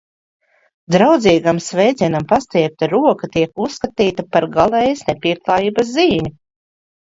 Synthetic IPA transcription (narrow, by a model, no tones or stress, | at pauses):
d̪ɾawd̪ziːɡamsvɛjd̪zʲiɛnampast̪ɛɛp̚t̪aɾuɔkat̪iɛkusːkat̪iːt̪apaɾɡalˠɛjsnepʲiɛklˠaːjiːbɐs̬ziːmʲi